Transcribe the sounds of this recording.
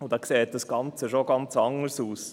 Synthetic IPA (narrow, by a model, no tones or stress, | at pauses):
ʊdɑkseːt̚d̥ɑsɡ̥ɑnt͡səʃoɡɑnt͡sɑŋəɾsuːs